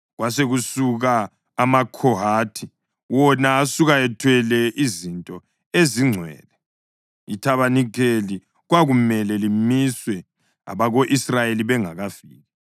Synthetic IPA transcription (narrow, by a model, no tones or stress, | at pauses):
ɣwaseɣusuɣaː | makʰɔɦaːtʰi | wɔnaːsuɣaɛtʰwɛlɛʔizintʼɔ | eziŋ͡ǀʱwɛ̰ːlɛ | itʰaβanikʰeli | ɣwaɣumɛlɛlimiswɛ | a̰βaɣoʔisrajeliβɛŋaɣafiːɣɛ